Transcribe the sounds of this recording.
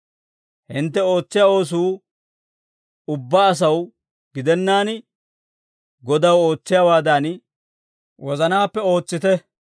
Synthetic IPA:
hɪnt̪ːɛo̞ːt͡sːɪjao̞ːs̬uː | ʊbːaːs̬ɐw | ɡɪd̪ɛnːaːn | ɡɔd̪ɐwo̞ːt͡sːɪjaːwaːd̪ɐn | wɔzɐnaːpːɛo̞ːt͡sːɪt̪ɛ

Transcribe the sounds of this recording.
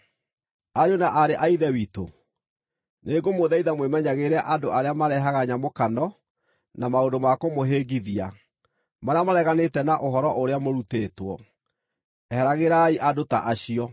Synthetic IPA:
aɾonaʔaɾeʔaiðɛwito̰ | neɡomoðɛiðamwemɛɲaɣeɾɛʔadoaɾeamaɾɛɦaɣaɲamokanɔ | namaondomakomoɦeɡiðia̰ | maɾeamaɾɛɣanetɛnaʔoɦɔɾɔʔoɾeamoɾuteːtwɔ̰ | ɛhɛɾaɣeɾaiʔadota̰ʔaɕiɔ

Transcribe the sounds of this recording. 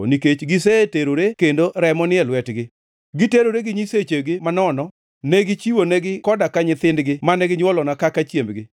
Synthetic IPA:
niket͡ʃɡɪseteɾoɾekendoɾɛmɔnɪɛlwɛtɡɪ | ɡɪteɾoɾeɡɪɲiset͡ʃeɡɪmanɔnɔ | nɛɡɪt͡ʃiwonɛɡɪkɔdakaɲɪt̪ɪndɡɪmanɛɡɪɲwɔlɔnakakat͡ʃjembɡɪ

